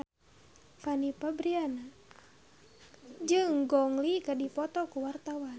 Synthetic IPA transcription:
fanipabɾiana | d͡ʒɨŋɡɔŋlikadipɔt̪ɔkuwart̪awan

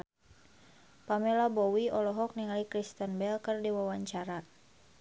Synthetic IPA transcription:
pamɛlabɔwiɔlɔɦɔk̚niŋalikɾist̪ənbɛlkərdiwawaɲt͡ʃaɾa

